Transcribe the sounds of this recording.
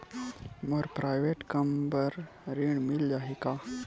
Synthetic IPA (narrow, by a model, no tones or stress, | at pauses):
məɾpɾajʋeʈkəmbəɾ | ɾiɳmild͡ʒaɦika